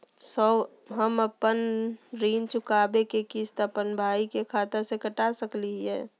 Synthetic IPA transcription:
sə | ɦəməpənɾiːnt͡ʃʊkaːbekekist̪əpənbʱaːikekʰaːt̪əsekəʈasəkliɦɛ̰ː

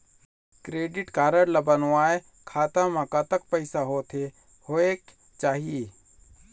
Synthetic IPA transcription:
kɾeːɖɪʈkaːɾəɽlabənaːe | kʰaːt̪ãmãkat̪ək̚pəɪsaɦoːt̪ʰeː | hoːeːk | t͡ʃaːɦieː

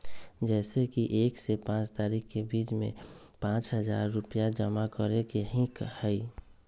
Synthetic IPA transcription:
d͡ʒɛːsekiʔeːksepãt͡ʃt̪aːɾikkebiːt͡ʃmḛ̃ | pãːt͡ʃɦəd͡ʒa̰ːɾːʊpijad͡ʒəmakəɾekeɦĩkhɛi

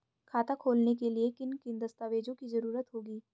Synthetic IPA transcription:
kʰaːt̪akʰoːlnek̬eliekɪnkɪnd̪ɐst̪aːʋeːd͡ʒõkizɐɾuːɾət̪ɦoːɡiː

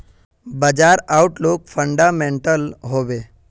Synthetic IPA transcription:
bəd͡ʒaɾawʈlokfʰəɳɖamẽɳʈəlɦoːʋe

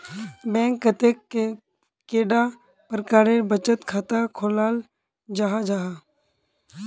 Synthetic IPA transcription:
bɛ̃ːŋkːət̪e | keːɖa | pəɾkaːɾebət͡ʃət̪kʰaːt̪akʰoːlaːl | d͡ʒaɦad͡ʒaːɦa

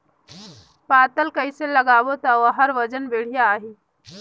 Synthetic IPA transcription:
pat̪əlkəjseləɡaʋot̪aʋəɦəɾʋəd͡ʒənʋeɽ̤ijaːɦi

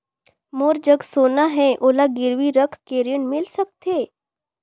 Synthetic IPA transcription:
moːɾd͡ʒəɡsoːnaɦɛʔoːlaɡɪɾʋiɾəkʰkeːɾiəɳmɪlsək̚t̪eː

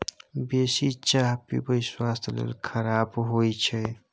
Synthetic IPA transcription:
besit͡ʃaɦpḭbəswast̪lḛlkʰəɾabɦojt͡ʃʰɛ

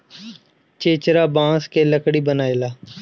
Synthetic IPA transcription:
t͡ʃeːt͡ʃɾaːbãːskeːləkɽiːbənaːeːlaː

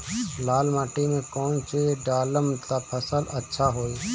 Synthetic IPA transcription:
laːlmaːʈinẽkoːnt͡ʃeɖaːləmt̪apʰəsələtːʃʰaɦoːiː

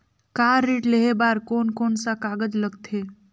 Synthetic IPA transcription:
kaːɾːeːʈleɦebaːɾkoːnkoːnsakaːɡəd͡ʒləɡt̪ʰe

